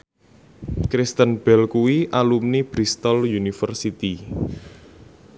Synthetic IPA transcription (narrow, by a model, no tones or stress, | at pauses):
kɾɪst̪ənb̥ɛlkuwiʔalumnib̥ɾist̪ɔljunifərsit̪i